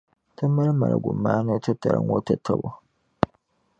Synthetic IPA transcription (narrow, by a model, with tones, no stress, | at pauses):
tʰɐ˦mːɐ˦ɾmɐ˨ɾa̰˨ɡʷu˨mːaː˦nɐ˦tɐ˦tɐ˨ɾɐ̰˨˦ŋwo˦tɐ˦tʰːɐ˦bo˦